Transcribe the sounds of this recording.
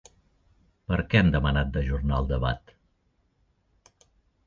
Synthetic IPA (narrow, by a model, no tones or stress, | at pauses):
pəɾkɛɛmd̪əmənat̪̚d̪əʒuɾnaə̰lˠd̪əβa̰t̪